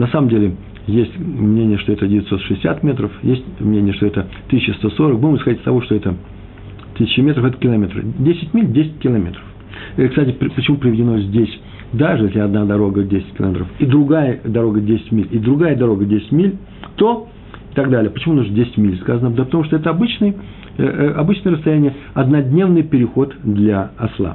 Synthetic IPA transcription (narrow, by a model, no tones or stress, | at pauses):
nɐsaməmdʲelʲɪ | jesʲtʲmnʲenʲɪjəʂt̪oɛt̪ədʲɪvʲɪt̪so̞t̪ʂɨsʲɪsʲa̰t̪mʲe̞t̪ɾəfjesʲtʲmnʲenʲɪjəʂt̪oɛt̪ə | t̪ɨsʲɕːɪst̪o̞so̞ɾək̚buməsxɐdʲitʲst̪ɐvoʂt̪o̞ɛt̪ə | t̪ɨsʲɪt͡ɕːɪmʲe̞t̪ɾəfɛt̪ə̥kʲɪlˠɐmʲe̞t̪ɾə̰dʲesʲɪ̥tʲmʲilʲdʲesʲɪ̥t̚ʲkʲɪlˠɐmʲe̞t̪ɾə̥f | kst̪atʲɪppət͡ɕɪmupɾʲɪvʲɪdʲɪno̞zʲdʲesʲ | d̪aʐɨjesʲlʲɪɐd̪nad̪ɐɾo̞ɡədʲesʲɪ̥tʲkʲɪlˠɐ̰mʲet̪ɾəfid̪ɾʊɡajəd̪ɐɾo̞ɡədʲesʲɪ̥tʲmʲilʲɪd̪ɾʊɡajəd̪ɐɾo̞ɡədʲesʲɪ̥tʲmʲilʲ | t̪o | ɪt̪ɐɡd̪alʲɪjəpət͡ɕɪmunaʐndʲesʲɪ̥tʲmʲilʲskazənəpd̪əpə̥t̪ɐmuʂt̪oɛt̪əɐbɨt͡ɕnɨj | ʔɐbɨt͡ɕnəjəɾəst̪ɐjænʲɪjəɐd̪nɐdʲnʲe̞vnɨjpʲɪɾʲɪxo̞t̪d̪lʲɐɐslˠa̰